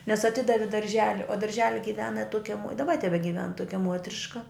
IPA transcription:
nʲɛs ɐˈtʲɪdɐʋʲɪ dɐrʲˈʒʲæːlʲɪ oː dɐrʲˈʒʲæːlʲɪ ɡʲɪˈʋʲæːnɐ ˈtuɔkʲɛ muɔt ɪ dɐˈbɐ tʲɛbʲɛɡʲɪˈʋʲɛn ˈtuɔkʲɛ ˈmuɔtʲrʲɪʃkɐ

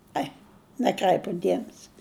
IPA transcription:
ˈɐɪ nʲæˈkrʲæɪpʊ ˈdʲiɛmʲɛsʲɪ

